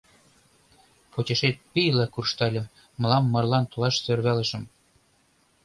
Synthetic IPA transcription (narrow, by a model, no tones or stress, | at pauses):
pot͡ɕeʃet̪̚pijlɑkurʃt̪ɑlʲɤ̆m | mɤ̆lɑmːɤ̆rlɑnt̪olɑʃsørβælə̆ʃə̆m